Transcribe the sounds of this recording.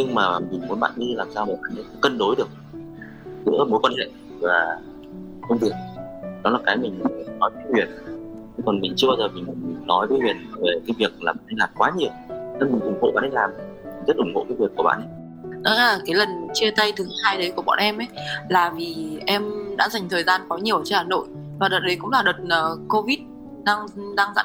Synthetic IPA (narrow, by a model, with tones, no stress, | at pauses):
ɲɨ˧ŋmaː˨˩mi˨˩ŋ̟mu˨˦nɓa̰ː˧˨ɗi˧laː˨˩msaː˧wma˨˩ɓa̰ː˧˨nʔə˨˦kə̰˧˥kə˧nɗo˨˦jɗɨ˨˩ək̚ | zɨ̰˧˥əmo˨˦jkwaː˧nhḛ˧˨ | vaː˨˩ | xə˧ŋ͡mvɨ˨˩ək̚ɗɔ˨˦laː˨˩kaː˨˦jmï˨˩ŋ˨nɔ˨˦jvːwi˨˩ət̚t͡ɕɨ˧kɔ˨˩nmï˨˩ŋ̟t͡ɕɨ˧ɓaː˧zəː˨˩vi˨˩mi˨˩ŋmi˨˩ŋnɔ˨˦jvəː˨˦jvwi˨˩ət̚ve˨˩kaː˨˦jvi˨˩ək̚laː˨˩ɓa̰ː˧˨nʔa˨˧jlaː˨˩mkwaː˨˦ɲi˨˩əwna˧˦mï˨˩ŋ̟ʔʊ˧˩ŋ͡mɣo̰˧˨ɓa̰˧˨ʔə˧jlaː˨˩mmi˨˩zə˦˥t̚ʔʊ˧˩ŋ͡mŋo̰˧˨kaː˨˦jvi˨˩əkːu˧˩əɓa̰ː˧˨nʔə˨˦ | ɗɔ˨˦laː˨˩kaː˨˦jlə˨˩nt͡ɕi˧ət̪a˧jt̪ʰɨ˨˦haː˧jɗə˨˦jku˧˩əɓɔ̰˧˨ʔɛ˧mʔə˨˦jlaː˨˩vi˨˩ʔɛ˧mɗa̰ː˧˥za˨˩jŋ̟t̪ʰəː˨˩jzaː˧nkɔ˨˦ɲi˨˩əwt͡ɕe˧nhaː˨˩no̰˧˨j | vaː˨˩ɗo˨˩t̚ɗə˨˦jkʊ̰˧˥ŋ͡mlaː˨˩ɗo˨˩t̚əː˨˩ko˧vi˦˥t̚ | ɗaː˧ŋɗaː˧ŋza̰ː˧˥